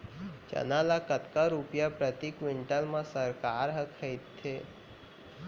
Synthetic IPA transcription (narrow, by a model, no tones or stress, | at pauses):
t͡ʃɐ̰nalakət̪kaɾupjapɾət̪ikʋɪɳʈəlmãsəɾkaːɾɦəkʰəɪt̪ʰːe